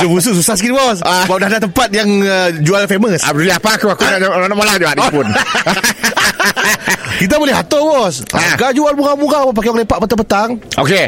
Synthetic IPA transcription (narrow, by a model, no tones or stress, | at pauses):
dubus̬uʔsusahskit̪bɔsabap̚dadat̪əmpat̪̚jaŋəd͡ʒualfeməsa̰b̚duliapakuakunaʔananaʔmalahd͡ʒuaʔapʊn | kit̪̬abolɛhɦa̰t̪ɔbɔsʔa̰ɡad͡ʒualmuɾamuɾaŋbɔpakiɔŋlepaʔpət̪apət̪aŋʔo̰ke